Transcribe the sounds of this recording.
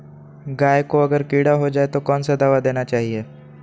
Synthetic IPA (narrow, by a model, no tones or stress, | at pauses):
ɡaːjkoɐɡəɾkiːɽaɦod͡ʒaːet̪okɔːnsed̪aːʋad̪eːnat͡ʃaːɦieː